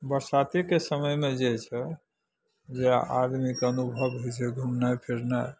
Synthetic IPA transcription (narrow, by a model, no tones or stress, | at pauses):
bəɾsat̪ikesəməjmed͡ʒet͡ʃʰɛ | d͡ʒea̰ad̪mikeənubʱəbɦojt͡ʃʰɛɡʱumnajpʰiɾnaj